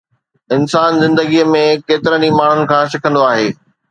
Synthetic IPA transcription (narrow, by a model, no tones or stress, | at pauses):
ɪnsaːnzɪ̃nd̪əɡiəmẽkeːt̪ɪɾənimaːɳ̤ʊnɪ̆kʰãːʃɪkʰə̃nd̪oaːɦeː